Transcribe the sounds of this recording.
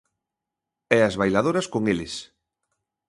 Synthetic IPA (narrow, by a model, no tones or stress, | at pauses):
ɛɐzβajlaðoɾɐskoŋelɪs